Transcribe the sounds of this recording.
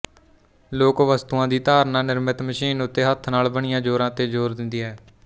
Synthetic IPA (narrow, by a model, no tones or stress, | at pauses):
loːkʋəst̪uːãːd̪iːt̪aːɾnãːnɪɾmət̪məʃiːnʊt̪ːeːɦət̪ʰnaːlbəɳ̃ɪjãːd͡ʒoːɾãːt̪eːd͡ʒoːɾd̪ɪnd̪iːɦɛː